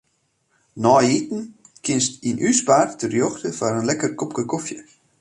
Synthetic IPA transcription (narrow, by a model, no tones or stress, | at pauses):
nɔjitn̩kʰɪnstinʔyspaːrtərjoxtəfanənlɛkərkopkəkofjə